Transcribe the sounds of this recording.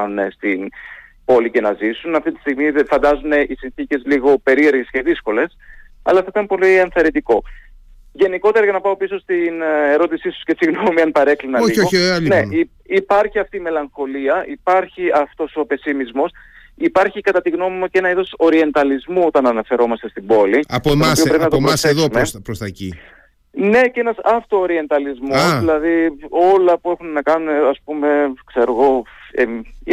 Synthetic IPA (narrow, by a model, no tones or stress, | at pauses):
nest̪inpo̞lice̞nɐzisunɐft̪it̪i̥st̪iɣmiðfɐnd̪ɐzune̞ʔisinθice̞zliɣo̞pe̞ɾie̞ɾɣe̞sceðisko̞le̞sɐ̰lɐθɐit̪ɐmpo̞liɐnθɐɾind̪iko̞ | ʝe̞niko̞t̪e̞ɾɐʝɐnɐpɐo̞piso̞st̪ineɾo̞t̪isisu̥sce̞siɣno̞miɐnpɐɾe̞klinɐioone | ipɐɾçiɐft̪iːme̞lɐŋxo̞liɐʔipɐɾçiɐft̪o̞sope̞simizmo̞s | ipɐɾçikɐt̪ɐt̪iɣno̞mimɐcee̞nɐiðo̞so̞ɾie̞nt̪ɐlizmuot̪ɐnɐnɐfe̞ɾo̞mɐst̪e̞st̪ibo̞liɐp̪mopiopɾeinɐt̪opɾosθeðommepɾost̪ɐci | ne̞ce̞nɐsɐft̪o̞ːɾie̞nt̪ɐlizmoðilɐðio̞lɐpue̞xunnɐkɐnuneɐspume̞kse̞ɾo̞ɣo̞e